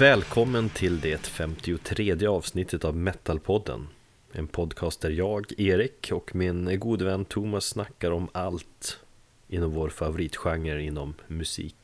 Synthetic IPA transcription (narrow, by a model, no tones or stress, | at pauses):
vɛːlkʰɔmːənt̪ʰɪld̪ɛt̪fɛmt̪ɪʊt̪ʰɾeːd̪jəɑːvsnɪt̪ːət̪avmɛt̪ːalpʰɔd̪ːə̰n | ɛ̰npʰɔd̪kʰɑːst̪æɾjɑːɡeːɾɪkʰɔkmɪnɡuːd̪əvɛnːt̪ʰuːmasːnakːaɾɔmalt̪ | ʔɪnːɔmvoːɾfavʊɾiːt̪ɧaŋːəɾɪnːɔmːɵsḭːk